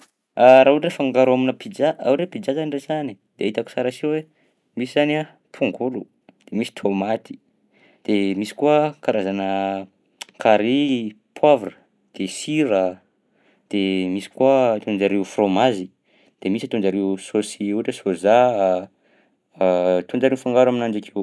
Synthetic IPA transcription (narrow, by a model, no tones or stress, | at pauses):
aɾaɦurefaŋɡaɾaminəpid͡ʒaʔa̰wɾepid͡ʒazanirezanid̪̥eait̪aku̥saɾasewe | misizana | pʰuŋɡulu | d̪̥emisi̥t̪ʰomat̪ʰi̥ | d̪̥emisi̥kuəkaɾazanə | kʰaɾi | pʰwavrə̥ | d̪̥esiɾə | d̪̥emisi̥kuat̪ond͡ʒaɾewfromazi | d̪̥emisat̪ond͡ʒaɾewsosiuʈ͡ʂesoza | t̪und͡ʒaɾeufaŋɡaɾwaminand͡ʒakʰew